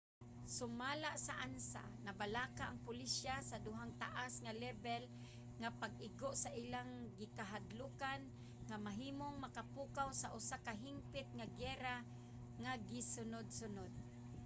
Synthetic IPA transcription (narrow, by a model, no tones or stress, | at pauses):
sʊmalaʔsaʔansa̰nabalakaʔaŋpʊliʃjasad̪ʊɦaŋt̪aʔasŋalɛbɛl | ŋapaɡ̚ɪɡoʔsaʔilaŋɡɪkaɦad̪lukan | ŋamaɦiːmoŋmakapukawsaʔʊsakaɦɪmpɪt̪̚ŋaɡɛɾa | ŋaɡɪsʊnʊd̪̚sʊnʊd̪̚